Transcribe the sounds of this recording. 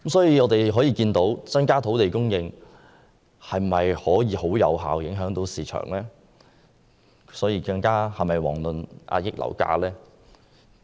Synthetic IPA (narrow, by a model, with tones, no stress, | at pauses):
msɔː˨˥jiː˨˧ŋɔː˨˧t̪e˨jɦɔː˨˥jiː˨˧kiː˧nt̪o˨˥wt͡sɐ˥nkaː˥t̪ʰo˨˥wt̪e˨jkʊ˥ŋjɪ˧ŋ | hɐ˨jmɐ˨jhɔː˨˥jiː˨˧ho˨˥wjɐ̰˨˧wɦa̰ː˨wjɪ˨˥ŋɦœː˨˥ŋt̪o˨˥wsiː˨˩t͡ʃʰœ̰ː˨˩ŋlɛː˥ | sɔː˨˥jiː˧kɐ˧ŋkaː˥hɐ˨jmɐ˨˩jwɔ̰ː˨˩ŋlɵ˨nʔa̰ː˧jɪ˥k̚lɐ̰˨˩wka̰ː˧lɛː˥